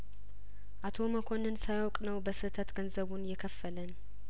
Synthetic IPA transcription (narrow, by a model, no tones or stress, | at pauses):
ʔat̪ʰo̞məkʰo̞nɨnsajwɔkʼnəwbəsɨt̪ʰət̪ɡənzəβunjɛkʰəfːələn